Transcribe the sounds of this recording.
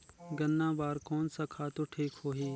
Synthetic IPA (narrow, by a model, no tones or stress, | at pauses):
ɡənːãːʋaːɾkoːnsaːkʰaːt̪oːʈʰiːkhoːɦiː